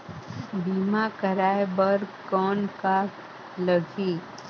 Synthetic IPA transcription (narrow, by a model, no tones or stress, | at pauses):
biːmakəɾaːebəɾkɔːnka | ləɡʱiː